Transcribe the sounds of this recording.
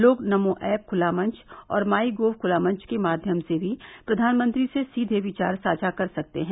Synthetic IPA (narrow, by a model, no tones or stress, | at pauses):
loːɡnɐmõʔɛːp̚kʰʊlaːmɐ̃ɲt͡ʃɔ̰ːɾmaːiɡoːʋkʰʊlaːmɐ̃ɲt͡ʃkemaːd̪ʱjəmsebʱipɾɐd̪ʱaːnmə̃nt̪ɾisesiːd̪ʱeʋɪt͡ʃaːɾsaːd͡ʒʱakɐɾsɐk̚t̪eɦɛ̃ː